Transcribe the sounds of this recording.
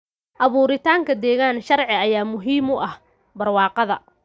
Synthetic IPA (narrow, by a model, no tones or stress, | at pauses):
ʔɐβuːɾɪt̪ʰaːŋkʰɐd̪ɛːɣaːnʃɐrʕɪɐjaːmʊɦiːmʊʔɐh | bɐrwɑːqɑðɐ̰